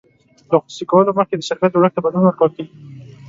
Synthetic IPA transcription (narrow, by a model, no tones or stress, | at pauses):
d̪əxusikawəloməxked̪əʃaɾkat̪wlək̚t̪abad̪lunwəɾkɑk̪i